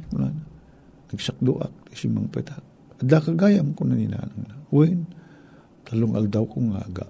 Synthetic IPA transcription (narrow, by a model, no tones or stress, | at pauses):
kʊnana | naɡsak̚d̪uʔa̰k̚t̪isimaŋpɛ̰t̪a | ad̪akaɡajamkʊnanina̰naŋnawin | t̪alʊŋʔa̰ld̪awkoŋa̰ɡa̰ʔ